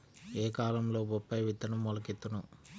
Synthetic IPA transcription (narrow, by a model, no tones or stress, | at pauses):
eːkaːlɐmlo̞ːbɔpːɐjʋit̪ːɐnɐmːɔlɐkit̪ːunu